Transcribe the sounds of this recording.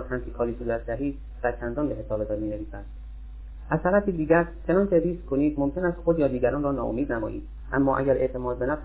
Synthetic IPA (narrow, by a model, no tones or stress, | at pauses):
t̪hæmsikʰɒːɾiːsuːd̪æt̪̚ʰd̪æɦiːd̪ | d̥̪æɾt͡ʃʰænd̪ɒːnbe̞ɦe̞sɒːbed̪æd̪miːne̞viːsænd̪̥ | ʔæzt̪ʰæɾæfiːd̪iːɟæɾt͡ʃʰe̞nɒːncʰeɾiːskʰoniːd̪mo̞mcʰe̞næst̪xod̪jɒːd̪iːɡæɾɒːnrɒːnɒ̰ːo̰miːd̪næmɒ̰ːʔḭːd̪ | ʔæmːɒːʔæ̰ɟæɾʔe̞ʔt̪ʰe̞mɒːd̪be̞næfs